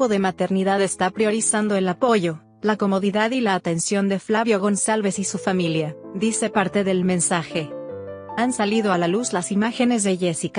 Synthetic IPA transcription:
oðe̞mat̪e̞ɾniðaðe̞st̪apɾjo̞ɾisand̪o̞e̞lapo̞ʝo̞ | lako̞mo̞ðiðaðilaːt̪e̞nsjo̞nd̪e̞flaβjo̞ɣo̞nsalβe̞sisufamiljaðise̞paɾt̪e̞ðe̞lmẽ̞nsaxe̞ | ansalið̞oalaluzlasimaxe̞ne̞zðeʝesik

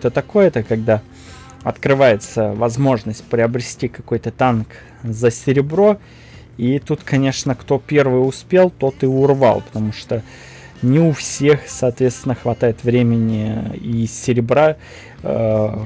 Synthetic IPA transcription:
t̪ət̪ɐko̞jət̪əkɐɡ̚d̪a | ɐt̪kɾɨvajɪt̪səvɐzmo̞ʐnəsʲt̚ʲpɾʲɪəbɾʲɪsʲtʲikɐko̞jt̪ət̪ank | zəsʲɪɾʲɪbɾo̞ | it̪ut̪kɐnʲe̞ʂnəkt̪o̞pʲe̞rvɨjʊspʲe̞lˠt̪o̞t̪ɨʊrva̰lˠpə̥t̪ɐmuʂt̪o | nʲɪʊfsʲe̞xsɐːt̪vʲest̪vʲɪnːəxvɐt̪ajɪt̪vɾʲemʲɪnʲɪisʲɪɾʲɪbɾa

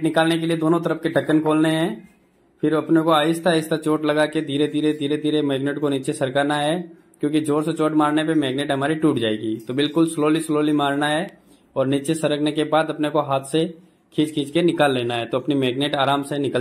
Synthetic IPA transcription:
ʈnɪkaːlnek̬elied̪oːnõt̪əɾəpkeɖʱɐkːənkʰoːlneɦɛ̃ː | pʰɪɾɐpnekoaːɪst̪ʰaːɪst̪ʰat͡ʃoːʈlɐɡaked̪ʱiːɾed̪ʱiːɾed̪ʱiːɾed̪ʱiːɾemɛːɡneʈkonit͡ʃesɐɾkaːnaɦɛ | kjõːkid͡ʒoːɾset͡ʃoːʈmaːɾnepemɛːɡneːʈɦɐmaːɾiʈuːʈd͡ʒaːḛːɡḭːt̪obɪlkʊlsloːlisloːlimaːɾnaɦɛ | ɔːɾnit͡ʃesɐɾəkʰnekebaːd̪ɐpnekoɦaːt̪ʰse | kʰiːt͡ʃkʰiːt͡ʃkenɪkaːlːeːnaɦɛt̪oɐpnimɛːɡneːʈaːɾaːmsenɪkə

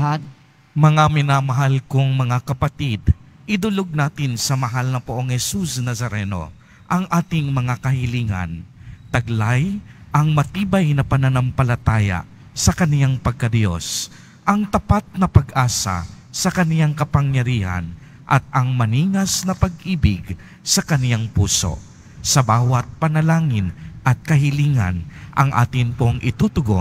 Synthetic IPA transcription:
mɐŋamɪnamɐɦalkoŋmɐŋakɐpɐt̪id̪ | ʔɪd̪ʊloɡ̚naːt̪ɪnsɐmɐɦalnɐpʊʔoŋhɛsusnɐsɐɾɛno̞̰ | ʔɐŋʔaːt̪ɪŋmɐŋakɐhɪliːŋɐ̰nt̪ɐɡlajʔɐŋmɐt̪iːbɐjnɐpɐnɐnɐmpɐlɐt̪aːja̰ | sɐkɐnɪjaŋpɐɡ̚kɐd̪jo̞̰s | ʔɐŋt̪ɐpat̪̚nɐpɐɡʔaːsa̰ | sɐkɐnɪjaŋkɐpɐŋjɐɾiːha̰n | ʔɐt̪̚ɐŋmɐniːŋɐsnɐpɐɡ̚ʔiːbɪɡ | sɐkɐnɪjaŋpuːso̞̰ | sɐbaːwɐt̪̚pɐnɐlaːŋɪnʔɐt̪̚kɐɦɪliːŋɐ̰nʔɐ̰ŋʔa̰ːt̪ɪnp̪oŋʔɪt̪ut̪ʊɡo̰

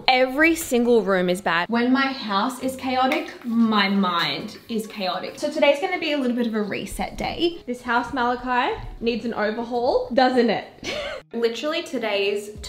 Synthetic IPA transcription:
ɛvɹisɪ̃ŋɡəl̩ˠɹʉ̃mɨzbæ̰dwə̃nmaɪhaʊsɪz̥kʰeɪɑɾɪkmaɪmãɪ̃nd | ɪz̥kʰeɪɑɾɪ̰ksoʊtʰɨɾeɪzɡʌnɨbiɨlɪɾl̩ˠbɪɾʌvɨɹḭsɛ̰t̚d̥ḛɪðɪshaʊsmælˠəkʰaɪənidzɨ̃n̩ʔo̰ʊvə˞ɦɔlˠdʌzɨ̃nɪ̰t̚lɪɾə˞l̩ˠitʰɨdeɪz̥tʰ

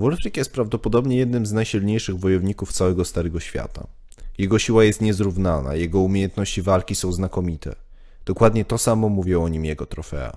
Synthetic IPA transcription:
vɔlfɾikʲjɛst̪̚pɾavd̪ɔpɔd̪ɔbɲɛjɛd̪nɘmznajɕilɲejʂɘɣvɔjɔvɲikuft̪sawɛɡɔst̪aɾɛɡɔɕfʲja̰t̪a̰ | jɛɡɔɕiwajɛst̪ɲɛzɾuvnana̰jɛɡɔumʲjejɛnt̪nɔɕt͡ɕivalkʲisɔ̃w̃znakɔmʲit̪ʰɛ̰ | d̪̥ɔkwad̪ɲɛt̪ɔsamɔmuvʲjɛɔɲimjɛɡɔt̪ɾɔfɛ̰a̰

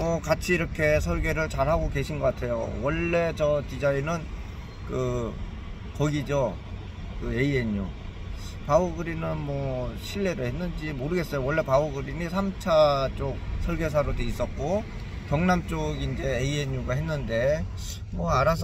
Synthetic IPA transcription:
mʌkat͡ɕʰiːɾʌkʰe̞sʰʌɭɡe̞ɾɯɭt͡ɕaɭɦaɡoke̞ɕʰinɡʌk͈atʰe̞jo̰wʌɭːe̞t͡ɕʌt͡ɕid͡ʑainɯn | kɯ | kʌɡid͡ʑo | kɯe̞ie̞ɲu | paɯɡɯɾinɯnmwʌɕʰiɭːe̞ɾɯɭhe̞nːɯnd͡ʑimoɾɯɡe̞s͈ʌjowʌɭːe̞paɯɡɯɾinisʰamt͡ɕʰat͡ɕ͈ok̚sʰʌɭɡe̞s̬ʰaɾodeis͈ʌk̚k͈o | kjʌŋnamt͡ɕ͈oɡind͡ʑe̞eieɲuɡaɦe̞nːɯnde̞ | mwʌaɾasʰ

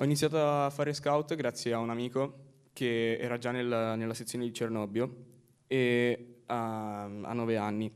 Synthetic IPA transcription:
ɔinit̪sjaːt̪oaːfːaːɾeskawt̪ɡɾat̪sːjeaunamiːko | kʰeɛːɾad͡ʒanːelnelːaset̪sːjoːned̪it͡ʃernɔbjo | eaa̰nːɔveanːi

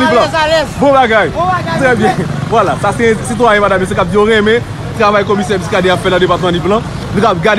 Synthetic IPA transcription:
d̪iplãbõbaɡajt̪ʁɛbjɛ̃vwalatasɛ̃sit̪̬waɛ̃bad̪amjɛ̃s̬ekap̚d̪ioʁɛ̃mɛ̃ | t̪ʁavajkɔmisɛ̃piskad̪eafɛlãd̪epat̪əmãd̪iplã | lukap̚ɡad

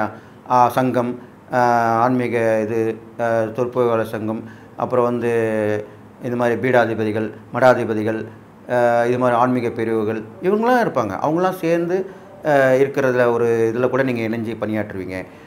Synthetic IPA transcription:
aː | sɐŋɡɐm | aːɳmɪɣɐɪðɯt̪ɔɾpːoːjɣaːlɐsɐŋɡɐm | ʔɐ̰pːɯɾɐ̃ʋɐnd̪ɯ | ɪnd̪ɐmaːðɾibiːɽaːðɪbɐðɪɣɐɭ | mɐɽaːðɪbɐðɪɣɐɭ | ɪðɯmaːd̪ɾiaːɳmɪɣɐpɛɾɯʋɯɣɐɭɪʋɐŋɡɐɭːãːɪɾɯpːaːŋɡɐ̰ʔɐ̰ʋɐŋɡɐɭlːãːseːɾnd̪ɯ | ɪɾɯkːɪɾɐðɪlɔɾɯɪðɐlɐkuːɽɐniːŋɡɐɪnɐɲd͡ʒipɐnɪjaːʈːɾɯʋiːŋɡɐ

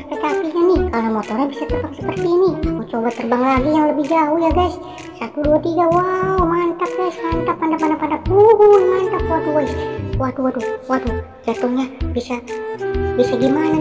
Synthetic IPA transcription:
pak̪apiɲanikalamɔt̪ɔɾanbisat̪əpaŋsəpərt̪iːnimɔt͡ʃobat̪ərbaŋlaɡijaŋləbɪhd͡ʒaujaɡajs | sat̪uduat̪iɡawawmant̪ap̚ɡajsmant̪apːandapandapandap̚buɦunmant̪apwaduaswaduaduwadu | d͡ʒat̪ʊŋɲabisa | bisaɡimana

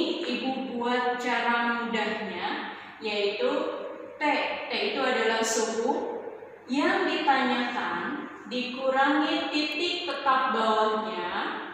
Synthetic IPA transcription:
ibubuat̪̚t͡ʃaɾamudahɲa | jait̪ut̪ɛʔt̪ɛit̪uadalahsuwʊh | jaŋdit̪aɲakan | dikuɾaŋit̪it̪ɪk̚t̪ət̪ap̚bawɲa

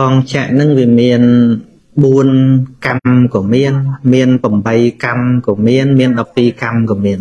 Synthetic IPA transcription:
kɑːŋt͡ɕʰɛʔnɨŋʋiəmiən | ɓuənkamkɔːmiənmiənpəmɓəjkamkɔːmiənmiənɗɑpːiːkamkɔːmiən

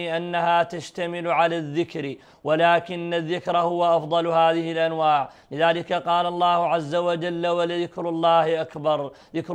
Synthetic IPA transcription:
ʔanːahat̪aʃt̪amɪlʕalaðːɪkɾ | walaːkɪnːaðːɪkɾhʊwaʔɑfd̪ˤɑlhaːðɪhɪlʔanwaːʕlɪðaːlɪkaqɑːlɑlˤːɑːhʊʕazːawad͡ʒalːawalðɪkɾʊlˤːɑːhʔakbɑɾˤ | ðɪkɾ

